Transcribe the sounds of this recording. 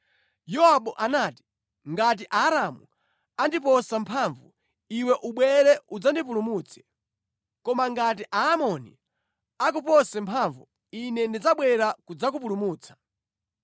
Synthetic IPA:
jɔɦaɓɔʔanaːti̥ | ŋɡat̬iʔaːɾamu | andipɔsampʰaɱvṵ | iwɛʔuɓwɛɾɛud͡zandip̬ulumuːt͡sʰɛ̥ | kɔmaŋɡat̬iʔaːmɔnḭ | ak̬upɔsɛmpʰaɱvu | inɛndid͡zaɓwɛɾakud͡zak̬up̬ulumuːt͡sʰḁ

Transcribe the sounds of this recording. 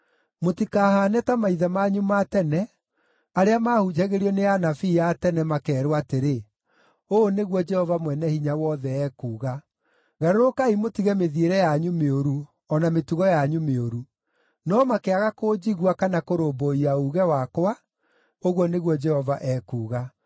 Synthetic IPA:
motikaːhaːnɛtamaiðɛmaɲumatɛnɛ | aɾeamahud͡ʑɛɣeɾiɔneanafiːjatɛnɛmakɛːɾwateɾe | oːneɣwɔd͡ʒɛhɔvamwɛnɛhiɲawɔðɛɛːkuːɣa | ɣaɾoɾokaimotiɣɛmeðieɾɛjaɲumeoɾu | ɔnametuɣɔjaɲumeoɾu | nɔmakeaɣakoːd͡ʑiɣwakanakoɾoːboiauːɣɛwakwa | oɣwɔneɣwɔd͡ʒɛhɔvaʔɛːkuːɣa

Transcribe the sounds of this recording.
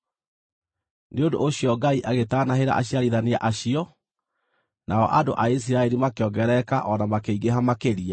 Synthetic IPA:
neondo̰ʔːɕijɔɡaiʔaɣetaːnaɦeɾa̰ʔa̰ɕiaɾiðaneaʔaɕiɔ | naɔ̰ʔado̰ʔais̬iɾaɛɾimakeɔŋɡɛɾɛkaʔɔnamakeiɡeɦamakeɾia

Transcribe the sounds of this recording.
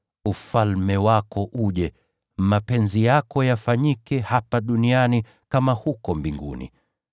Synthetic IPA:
ufalmɛwakɔʔuʄɛ | mapɛnzijakɔjafaɲikɛhapaɗuniani | kamahukɔmbiŋɡṵnḭ

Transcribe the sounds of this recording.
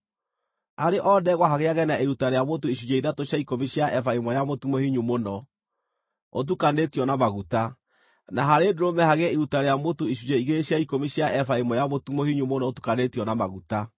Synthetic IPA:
aɾeʔɔdɛɣwaɦaɣeaɣɛnaʔeɾutaɾejamotoiɕud͡ʑeiðatoɕjaikomiɕiaɛfaemɔjamotumohiɲumonɔ | ot̬ukanetiɔnamaɣuta | naɦaɾedoɾomɛhaɣɛiɾutaɾejamotoiɕuɲeiɣeɕaikomiɕjaʔɛfaemɔjamotumohiɲumonɔotu̥kanetiɔnamaɣuta

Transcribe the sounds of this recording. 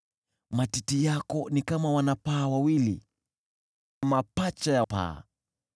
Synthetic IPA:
matitijakɔnikamawanapaːwawilḭ | mapat͡ʃajapa̰ː

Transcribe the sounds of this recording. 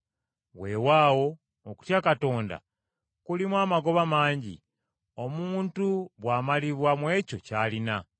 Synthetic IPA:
we̞ːwaːwo̞ː | ku̥tjakato̞ːnda̰ | kulimwaːmaɡo̞βamaːɲɟḭ | o̞muːntuβwaːmaliβwamwe̞ːco̞caːlina

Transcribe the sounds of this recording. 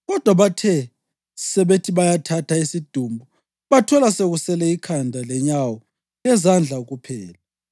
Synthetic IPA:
ɣɔd̥ʱwaβatʰɛ | sɛβetʰiβajatʰatʰaisid̥ʱumbʱu | βatʰɔlaseɣusɛlɛikʰandʱalɛɲawɔ | lɛzand͡ɮʱauɣupʰɛːla

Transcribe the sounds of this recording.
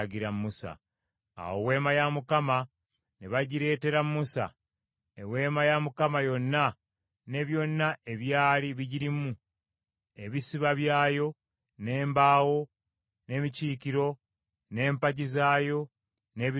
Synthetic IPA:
ɟiɾamːusa̰ | a̰wowe̞ːmajamukama | neβaɟiɾe̞ːte̞ɾamːusa̰ | ewe̞ːmajamukamajo̞nːa | ne̞βjo̞nːae̞βjaːliβiɟiɾimu | e̞βisiβaβjaːjo̞ | ne̞ːmbaːwo̞ | ne̞miciːkiɾo̞ | ne̞ːmpaɟizaːjo̞ | ne̞β

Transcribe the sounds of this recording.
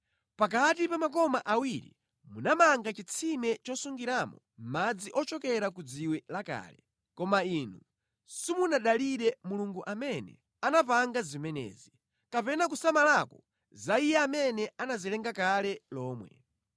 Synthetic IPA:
pak̬atipamakɔmaʔawiɾḭ | munamaŋɡat͡ʃit͡sʰimɛt͡ʃɔsuŋɡiɾamɔ | mad͡ziʔɔt͡ʃɔkɛɾakud͡ziwɛlaka̰ːlɛ | kɔmaiːnu | simunaɗaliɾɛmuluŋɡuʔamɛnɛ̰ | anapaŋɡazimɛnɛ̰ːzi | kapɛnak̬usamalakɔ | zaijɛamɛnɛanazilɛŋɡakalɛlɔːmwɛ̰

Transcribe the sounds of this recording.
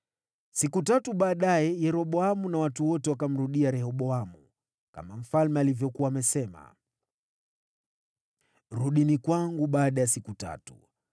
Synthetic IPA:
sikutatuɓaːɗajɛjɛɾɔɓɔamunawatuwɔtɛwakam̩ɾuɗiaɾɛhɔɓɔamu | ka̰mam̩falmɛalivjɔkuwaːmɛsɛma̰ | ɾuɗinikwaŋɡuɓaːɗajasikuta̰tu̥̰

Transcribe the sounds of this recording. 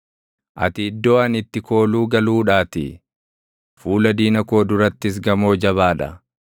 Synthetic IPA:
ʔɐ̰t̪ɪɪd̪ːo̞ːɐnɪt̪ːɪko̞ːluːɡɐluːᶑaːt̪ɪ̰ | fuːlɐd̪iːnɐko̞ːd̪ʊɾɐt̪ːɪs̬ɡɐmo̞ːd͡ʒɐβaːᶑɐ̰

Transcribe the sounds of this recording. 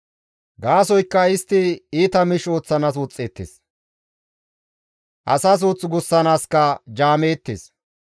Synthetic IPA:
ɡaːsɔjkːɐɪst̪ːɪiːt̪ɐmɪʃo̞ːt͡sːɐnasʊt͡sʼːeːt̪ːḛːs | ʔɐsɐs̬uːt͡sʼːɡʊsːɐnaːskɐd͡ʒaːmeːt̪ːḛːs

